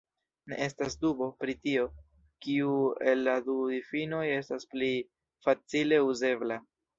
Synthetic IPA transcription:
nḛʔe̞stasdubo̞pɾitio̞ | kiue̞lːadudifino̞je̞staspli | fat͡sile̞uze̞bla

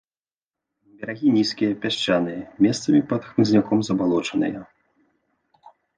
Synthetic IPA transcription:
bʲaɾaɣʲinʲiskʲijɐpʲaɕt͡ʃanɨjmʲɛst̪sɐmʲipɐt̪xmɨzʲnʲakɔmzɐbalˠɔt͡ʂɐnɨ̰jɐ

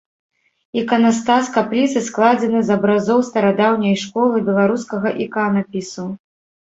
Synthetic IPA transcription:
ikɐnast̪askaplʲit̪sɨsklˠad͡zʲɛnɨzɐbɾazɔwst̪ɐɾad̪awnʲɐjʂkɔlˠɨbʲɛlˠaɾuskɐɣɐʔikanɐpʲisu

